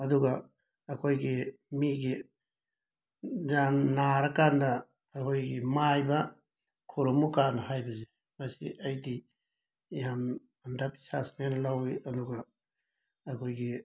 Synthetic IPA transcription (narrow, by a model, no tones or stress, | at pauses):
ɐduɡɐ | ɐkʰojɡimiɡi | zanːaɾɐkandɐː | kʰojɡimajbɐ | kʰuɾomukanɐhajbɐzi | mɐsḭʔɐjdi | jam | ndapi̥sa̰snanɐlawiɐduɡɐ | ɐkʰojɡi